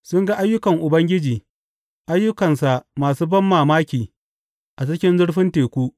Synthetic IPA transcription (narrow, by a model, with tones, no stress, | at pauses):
sʊ˦ŋɡa˦ʔa˦jːʊ˦kɐ˨ŋʔʊ˨bɐ˦ŋɡʲɪ˦d͡ʒiː˨ | ʔa˦jːʊ˦kɐ˨nsa˨ʔmaː˨suː˦bɐ˦mːaː˨maː˦kʲiː˨ | ʔa˨t͡ʃɪ˦kʲɪ˦nzʊ˦ɽɸɪ˦nteː˨kʷuː˦ʔ